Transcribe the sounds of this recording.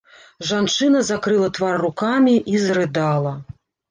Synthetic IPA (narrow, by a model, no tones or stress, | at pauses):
ʐant͡ʂɨnɐzakɾɨlˠɐt̪varːukamʲiʔizɾɨd̪alˠɐ